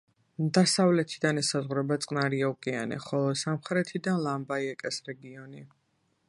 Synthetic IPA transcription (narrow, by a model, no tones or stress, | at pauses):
d̪asavlɛt̪ʰid̪anɛsazʁwɾɛbat̪sʼqʼnaɾiaukʼia̰nɛ̰χɔlˠɔsamχɾɛt̪ʰid̪anlˠambaiɛkʼɛsɾɛɡiɔni